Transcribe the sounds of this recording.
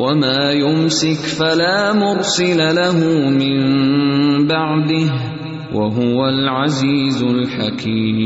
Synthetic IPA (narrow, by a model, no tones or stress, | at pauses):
wʔamaːjʊmsɪkfalaːmʊɣsɪlalaɦʊmɪm | baʕd̪ɪh | wʔaɦʊwalʕaziːzʊlħakʰiːm